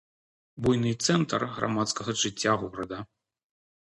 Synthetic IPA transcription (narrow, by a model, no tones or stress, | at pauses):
bujnɨt̪sɛnt̪ɐrɣɾʔa̰mat̪skɐɣɐʐɨt͡sʲːaɣɔɾɐd̪ɐ